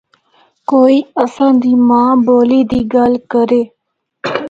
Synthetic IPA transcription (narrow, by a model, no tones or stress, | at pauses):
koːiːəsãːd̪iːmãːboːliːd̪iːɡalkəɾeː